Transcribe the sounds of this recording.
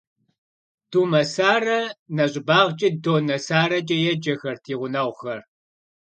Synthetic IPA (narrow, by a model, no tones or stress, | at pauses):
tʰuːmɐsaːrɐnɐɕʼɪbaːʁt͡ʃʼɐdoːnɐsaːɾɐd͡ʒʼɐjɛd͡ʒɐxɐrtʰiːʁʷʊnaːʁʷxɐr